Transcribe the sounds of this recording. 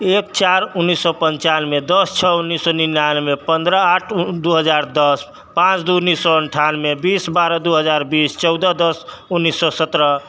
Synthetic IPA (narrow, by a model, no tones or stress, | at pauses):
ek̚t͡ʃaɾunːisːɔpənt͡ʃanmed̪əst͡ʃʰɔunːisːɔninjanmepənd̪ɾəaʈʰd̪uɦəd͡ʒaɾd̪əs | pãt͡ʃd̪unisɔəɳʈʰanmebisbaɾəd̪uɦəd͡ʒaɾbist͡ʃɔwd̪əd̪əsunːisːɔsət̪ɾə